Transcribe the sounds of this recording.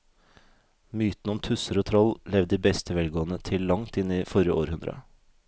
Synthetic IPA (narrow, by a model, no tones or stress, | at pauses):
myːt̪n̩ɔmt̪ʰʉsəɾoːt̪ʰɾɔllɛʋd̪iːbɛst̪ʰəʋɛlɡoːənət̪ʰɪllɑŋt̪ɪnːiːfɔɾjəʔoːɾhʉnd̪ɾə̰